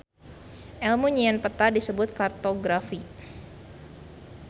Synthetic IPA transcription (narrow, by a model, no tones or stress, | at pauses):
ʔɛlmuɲiɛnpət̪adisəbʊt̪̚kart̪oɡɾafi